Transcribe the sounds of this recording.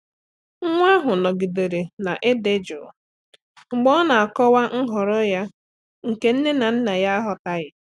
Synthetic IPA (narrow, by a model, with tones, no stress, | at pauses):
ŋ̩˦ŋʷ˦a˦ɦʊ˨nɔ˨ɡi˨de˨ɾe˨na˨ʔɪ˦dɪ˦d͡ʒʊ˨ | ŋ͡m̩˨ɡ͡bɔ˦na˨a˨kɔ˦wa˦ŋ̩˦ɦɔ˨ɾɔ˦ja˦ | ŋ̩˨ke˦n̩˦ne˦na˨n̩˦na˨ja˦a˦ɦɔ˦ta˦ɣɪ˨